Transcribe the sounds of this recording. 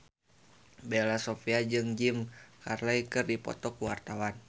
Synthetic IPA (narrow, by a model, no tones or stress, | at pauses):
belasɔfiad͡ʒɨŋd͡ʒimkarlaikɨrdipɔ̰t̪ɔkuwart̪awan